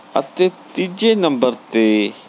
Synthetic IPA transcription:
ɐ̰t̪et̪id͡ʒenɐ̃mbəɾt̪e

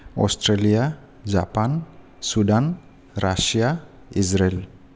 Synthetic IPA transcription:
ʔɔ̰st̪ɾalia | d͡ʒapan | sudan | rasia | isɾɛl

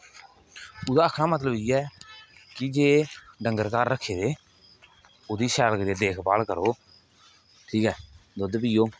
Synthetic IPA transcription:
ʊd̪aːəkʰnãːmət̪̬ləbiːɛːkɪd͡ʒeːɖəŋɡəɾkaːɾːəkʰːeːdeː | oːd̪iːsɛːlkəɾeːd̪eːkʰpa̰ːlkəɾoː | ʈʰiːkɛːd̪od̪pɪːoː

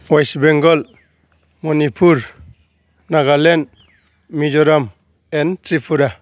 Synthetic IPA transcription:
wajsbeŋɡɔl | mɔnipʰuɾ | naɡalen | mid͡ʒɔɾam | entɾipʰuɾa

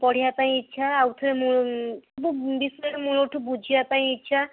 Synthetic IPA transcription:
pɔɽ̤ijapaj̃itːt͡ʃʰaawt̪ʰɔɾemusɔbubiseʈemuɾoʈʰubud͡ʒʱijapaj̃itːt͡ʃʰa

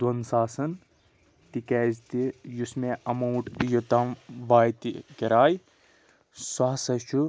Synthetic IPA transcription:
d̪wɐnsaːsɐn | t̪ikeːzt̪ijusmeɐmɐwʈjut̪ɐmʋaːjt̪ikɐɾaːj | swɐɦsɐʃʰu

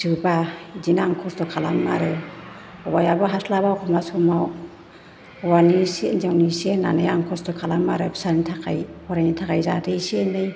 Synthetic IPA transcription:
sɯbadinaŋkʰɔstɔkʰala̰ma̰ɾɯ | ɔwajabaɦaslabawkʰɔmasɔmaw | wanisenzawnisena̰nɯjaŋkʰɔstɔkʰalamːaɾɯbi̥saɾnitʰakʰa̰jpʰɔɾajnitʰakajzadɯjsenɯj

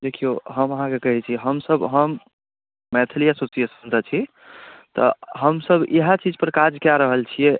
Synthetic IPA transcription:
d̪ekʰijoɦəməɦãkekəɦɛt͡ʃʰiɦəmsəbɦəmː | ɛt̪ʰilijasosiesənt̪ət͡ʃʰi | t̪ɔ̰ɦəmsəbḛɦat͡ʃid͡ʒpəɾkad͡ʒkjaɾəɦəlt͡ʃʰijɛ

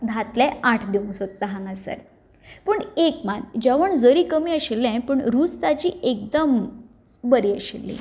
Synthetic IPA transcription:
ɡ̪ʱat̪lɛ̃aʈʰd̪iũŋɡsod̪̚t̪aɦãŋɡasə̰ɾ | pəɳekmand͡ʑaʋəɳd͡zəɾiːkəmiːəɕelːãpəɳɾuːt͡st̪at͡ɕiːek̚d̪əm | bəɾiːəɕḛlːḭ

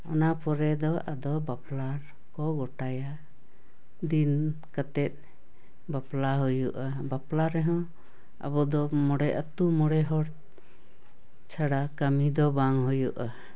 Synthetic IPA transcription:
ɔ̰napɔɾɛd̪ɔʔad̪ɔbaplaɾ | kɔɡɔʈaja | d̪inkat̪ɛt̪̚ˀ | baplaɦujuʔa | baplaɾɛɦɔ̃ | a̰bɔd̪ɔmɔɽɛʔət̪umɔɽɛɦɔɽ | t͡ʃʰaɽakəmid̪ɔbaŋɦujuʔa

